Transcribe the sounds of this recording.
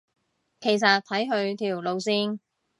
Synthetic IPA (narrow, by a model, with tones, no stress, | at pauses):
kʰe˨˩js̬ɐ˨t̚t̪ʰɐ˨˥jɦɵ˧ɥt̪ʰiː˨˩wlo˨˧wsiː˧n